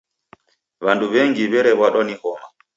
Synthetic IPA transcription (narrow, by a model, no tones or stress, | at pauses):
βanduβɛŋɡiβɛɾɛβwaɗɔnihɔma